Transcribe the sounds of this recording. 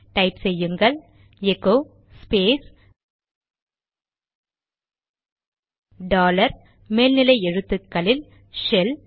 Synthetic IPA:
ʈɐɪpsɛjːɯŋɡɐɭ | ɛkːoː | speːs | ɖaːlɐɾ | meːlnɪlɐɪɛɻɯt̪ːɯkːɐlɪl | ʃɛl

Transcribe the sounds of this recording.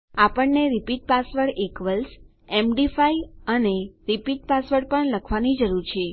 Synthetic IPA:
apəɳneɾipiʈ̚pasʋəɾʈekʋəls | emɖifaiəneɾipiʈ̚pasʋəɾʈpəɳləkʰʋanid͡ʒəɾuɾt͡ʃʰe

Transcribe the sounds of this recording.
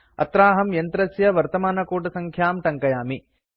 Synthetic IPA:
ɐ̰t̪ɾaːɦɐmjɐnt̪ɾɐsjɐʋɐɾt̪ɐmaːnɐkuːʈɐsɐŋkʰjaːmʈ̪ɐŋkɐjaːmi

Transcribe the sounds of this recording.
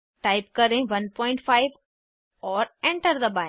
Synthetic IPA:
ʈaːɪp̚kəɾẽʋɐnpɔ̃ːɪ̃ɳʈfʰaːɪʋ | ɔːɾẽɳʈəɾd̪əbaː

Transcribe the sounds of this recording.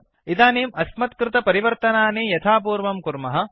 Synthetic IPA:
id̪aːneːmɐsmɐt̪kɾɪt̪ɐpɐɾiʋɐɾt̪ɐnaːneːjɐt̪ʰaːpuːɾʋɐmkuɾmɐɦɐ̆

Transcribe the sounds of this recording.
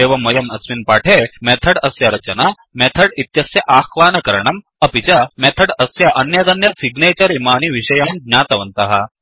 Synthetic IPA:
eʋɐmɐjɐmɐsminpaːʈʰemɛt̪ʰɐɽɐsjaɾɐt͡ɕɐna | mɛt̪ʰɐɽit̪jɐsjɐʔaːkʋaːnɐkɐɾɳɐm | ɐpit͡ɕamɛt̪ʰɐɽɐsjaʔɐnjɐd̪ɐnjɐsiɡnet͡ɕɐɾimaːniʋiɕɐjand̪ɲaːt̪ɐʋɐnt̪ɐɦa

